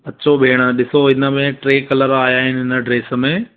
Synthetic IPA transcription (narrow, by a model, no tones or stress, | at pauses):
ɐtːt͡ɕʰobʱeːɽ̃ə̆ɗɪsoɪnə̆mẽʈɾeːkɐləɾaːjaːɦɪnɪɦɪnəɖɾeːsə̆mẽ